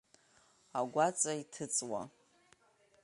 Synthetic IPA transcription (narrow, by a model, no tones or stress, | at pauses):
aɡʷat͡sʼaitʰɨt͡sʼwa̰